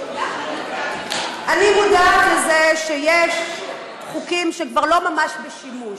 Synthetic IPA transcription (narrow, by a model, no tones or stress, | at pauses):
ʔanimudatlezeʃejeʃ | χukimʃekvaʁlo̞mamaʃbeʃimuʃ